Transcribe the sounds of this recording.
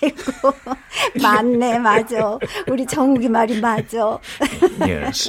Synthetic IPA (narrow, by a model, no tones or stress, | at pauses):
iɡoomanːemad͡ʑouɾit͡ɕʌŋuɡimaɾimad͡ʑo